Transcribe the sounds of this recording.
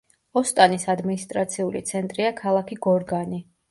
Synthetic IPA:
ɔst̪ʼanisad̪minist̪ʼɾat̪sʰiulit̪sʰɛnt̪ʼɾiakʰalˠakʰiɡɔɾɡani

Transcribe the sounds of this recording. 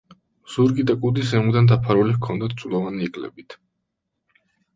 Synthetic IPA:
z̥uɾɡid̪akʼud̪isɛmud̪and̪apʰaɾulikʰɔnd̪at̪ʰsʼlˠɔvaniːkʼlɛ̰bit̪ʰ

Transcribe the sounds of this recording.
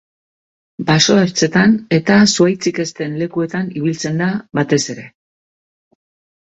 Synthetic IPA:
baso̞eɾt͡se̞t̪ane̞t̪asuajt͡sike̞st̪e̞nle̞kue̞t̪aniβ̞ilt͡se̞nd̪aβat̪e̞se̞ɾe̞

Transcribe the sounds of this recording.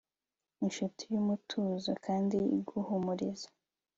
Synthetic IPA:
inʃutʰijumutʰuzokʰaːndiḭɡuhumuɾizḁ

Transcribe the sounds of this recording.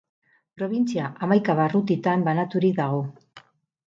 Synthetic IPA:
pɾo̞βint͡siaʔamajkaβarut̪it̪ambanat̪uɾik̚ðaɣ̞o̞

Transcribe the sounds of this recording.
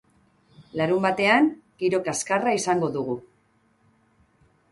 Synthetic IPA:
laɾumbat̪e̞aŋɡ̥iɾo̞kaskaraisaŋɡo̞ðuɣ̞u

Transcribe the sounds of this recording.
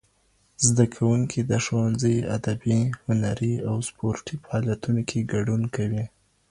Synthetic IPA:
zd̪akʰawuŋkʰid̪əʃowanzəja̰d̪abihʊnaɾiawspoɾʈifahɑljat̪unokʰeɡaɖunkawi

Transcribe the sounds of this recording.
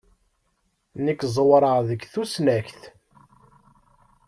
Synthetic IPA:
nəkːzˤwɾˤəʁðəɡθusnæçθ

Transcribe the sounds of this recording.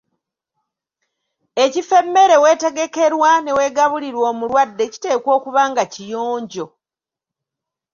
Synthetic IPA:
ecife̞mːe̞ɾe̞we̞ːte̞ɡe̞ke̞ɾwane̞we̞ːɡaβuliɾwoːmulwadːe̞ci̥te̞ːko̞ːkuβaːŋɡacijoːɲɟo̞

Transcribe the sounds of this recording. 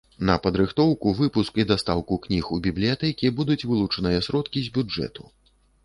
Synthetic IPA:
nɐpɐd̪ɾɨxt̪ɔwkuvɨpuskid̪ast̪awkuknʲixubʲiblʲijat̪ɛkʲibud̪ut͡sʲvɨlˠut͡ʂɐnɨjɐsɾɔt̪kʲizʲbʲud͡ʐɛ̰t̪u̥

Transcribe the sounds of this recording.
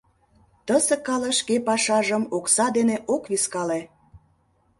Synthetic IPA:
t̪əsĕkɑleʃkepɑʃɑʒəmoksɑd̪eneʔokβiskɑle

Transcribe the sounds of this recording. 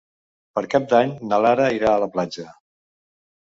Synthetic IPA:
pəɾkap̚d̪aɲnəlaɾəiɾaələplad͡ʒə

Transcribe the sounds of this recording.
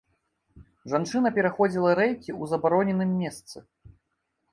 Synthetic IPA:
ʐant͡ʂɨnɐpʲɛɾaxɔd͡zʲilˠɐɾɛjkʲiuzɐbaɾɔnʲɛnɨmːʲɛst̪sɨ

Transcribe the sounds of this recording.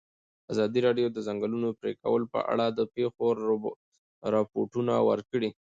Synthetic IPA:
azɑd̪iɾɑɖjod̪əzaŋɡəlunopɾeka̰wəlopə̰ʔa̰ɽad̪əpexo | ɾɑpoʈunawə̰ɾkəɽi

